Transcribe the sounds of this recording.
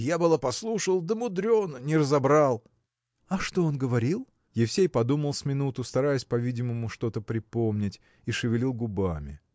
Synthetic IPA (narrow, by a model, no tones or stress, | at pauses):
jabɨlˠapɐslˠuʂəlˠd̪əmʊd̪ɾʲo̞nnʲɪɾəzɐbɾalˠ | ɐʂt̪oonɡəvɐɾʲilˠ | jɪfsʲejpɐd̪uməlˠsʲmʲɪnut̪ʊst̪ɐɾajɪsʲpɐvʲidʲɪməmʊʂt̪o̞t̪əpɾʲɪpomnʲɪtʲ | iʂɨvʲɪlʲilˠɡʊbamʲɪ̰